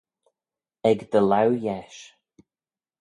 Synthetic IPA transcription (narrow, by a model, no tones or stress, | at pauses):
ɛɡd̪əlawjɛʃ